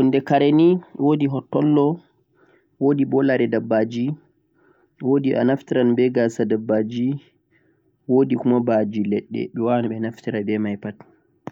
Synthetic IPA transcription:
ɔndɛkaɾeniwodiɦɔtːɔlːɔ | woːdibɔlaɾɛdabːad͡ʒi | wodiʔa̰naftiɾanbɛɡasadabːad͡ʒi | wodikumabad͡ʒilɛɗːɛ̰ɓɛwanaɓɛnaftiɾabɛmajpat

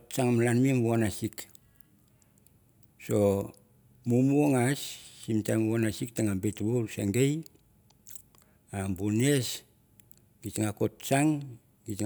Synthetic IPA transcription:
tt͡ʃaŋamlanmimβuanasik | so̞ | mumuoŋasːimtamβanasik̚taŋabetβoɾseŋɡej | ambunes | ɡitŋako̞t̚t͡ʃaŋ | ɡit

